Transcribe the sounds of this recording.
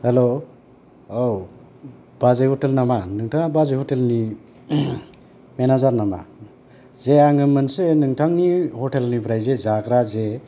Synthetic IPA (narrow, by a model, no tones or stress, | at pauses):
helo | ow | b̥azajhɔtelnamanɯŋtʰaŋbazajhɔtelni | menazaɾnama̰ | zeaŋɯmɯnsenɯŋtʰaŋnihɔtelnipʰɾajzezakɾaze